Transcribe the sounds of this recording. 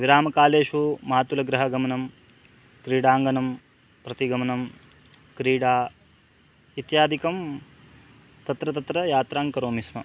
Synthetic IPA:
ʋiɾaːmɐkaːleːʃumaːt̪ulɐɡɾɐɦɐɡɐmɐnɐm | kɾiːɽaːŋɡɐnɐm | pɾɐt̪iɡɐmɐnɐm | kɾiːɽaː | it̪jaːd̪ʱikɐm | t̪ɐt̪ɾɐt̪ɐt̪ɾɐjaːt̪ɾaːŋkɐɾoːmismɐ

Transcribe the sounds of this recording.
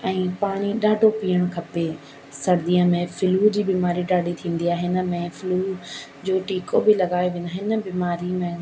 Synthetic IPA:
ɛ̃ːpaːɽ̃iɗaːɖʱopiːəɽ̃kʰɐpe | sɐɾd̪iːəmẽfɪluːd͡ʑiːbiːmaːɾiɗaːɖʱit̪ʰĩːn̆d̪iaːɦeɦɪnə̆mẽfɪluːd͡ʑoːʈiːkobɪlɐɡaːeʋĩːnd̪aɦɪnə̆biːmaːɾimẽ

